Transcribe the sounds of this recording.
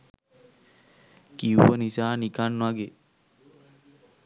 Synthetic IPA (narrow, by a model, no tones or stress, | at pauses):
kiuənisaːnikannãɡe